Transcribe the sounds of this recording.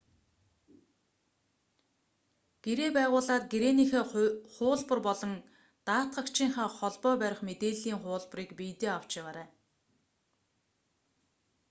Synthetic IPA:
ɡ̥eɾeːpæːʁʊːɮaːt̪̚ɡeɾeːnixeːχʊːɮpə̆rpɔɮɞ̆ŋ | t̪aːt̪ɢə̆kt͡ɕiːŋχaːχɔɮpɔːpæɾʲɪ̆χmet̪eːɮiːŋχʊːɮp̆riːkpijt̪eːaw̥t͡ɕawaːɾæː

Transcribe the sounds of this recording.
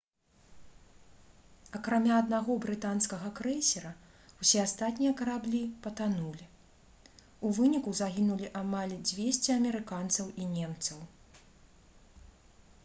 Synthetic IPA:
ɐkɾamʲaɐd̪naɣɔbɾɨt̪anskɐɣɐkɾɛsʲɛɾɐ | wsʲɛast̪at̪ʲnʲijɐkɐɾablʲipɐt̪anulʲi | uvɨnʲikuzaɣʲinulʲiʔamalʲd͡zʲvʲesʲt͡sʲiɐmʲɛɾɨkant̪sɐwʔinʲɛmt̪sɐw

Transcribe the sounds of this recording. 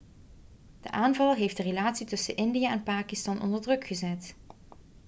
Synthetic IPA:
d̥ə̰ʔaːnvɑlˠɦejfdərelaːtsitɵsənʔɪndijaʔɛnpaːkistɑnʔɔ̰ndəɹdrɵkχəzɛt

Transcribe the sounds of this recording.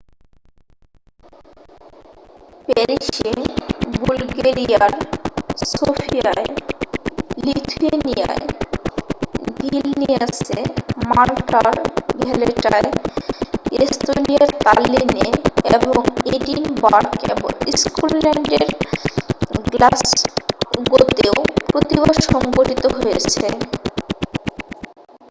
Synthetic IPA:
peɾiʃebulɡeɾiaɾsofʰiae | lit̪ʰuenija̰e | bʱilniasemalʈaɾbʱɛleʈae | est̪oniaɾt̪alineeboŋeʈinbaɾkḛbo̰ŋiskulːɛɳɖeɾ | ɡlas | ɡot̪eopɾot̪iβaɾʃɔŋɡoʈit̪oɦojet͡ɕʰe

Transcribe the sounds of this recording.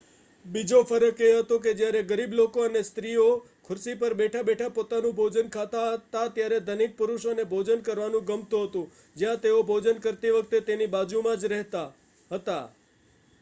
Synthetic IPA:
bid͡ʒofəɾəkeɦət̪ok̬ed͡ʒjaɾeɡəɾiblokoənest̪ɾio | kʰʊɾsipəɾbeʈʰabeʈʰapot̪anũbʱod͡ʒənkʰat̪aɦət̪at̪jaɾed̪ʱəniʈ̪̚pʊɾuʃənebʱod͡ʒənkəɾʋanũɡəmt̪oɦət̪ũ | d͡ʒjãt̪eobʱod͡ʒənkəɾt̪iʋəkt̪et̪enibad͡ʒumãd͡ʒɾɛɦt̪a | ɦət̪a

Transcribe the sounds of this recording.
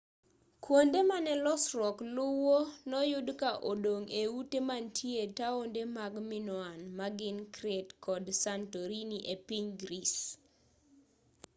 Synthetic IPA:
kwondemanɛlɔsɾɔklʊwonɔjʊdkaʔodoŋeutemantʰjetaondemaɡmɪnwanmaɡɪnkɾetkʰɔdsantoɾiniʔepiɲɡɾis

